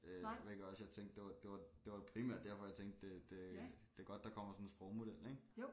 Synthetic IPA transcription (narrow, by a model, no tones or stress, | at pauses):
ʋ̰eɡ̥ɒsjɑ̈ɪt͡sʰeŋ̰ɡd̥d̥e̝ʋɑ̈d̥e̝ʋɑ̈d̥e̝ʋɑ̈pʰʁimæ̰ɐ̰d̥ːæɐfɒ̽jɑ̈ɪt͡sʰeŋ̰̥d̥d̥ed̥e̝d̥e̝ɐɡ̥ɒ̽d̥̚ːɑ̈kʰɒ̽m̰ɐsɒ̽nensb̥ʁɒʊmo̝d̥el̰eŋ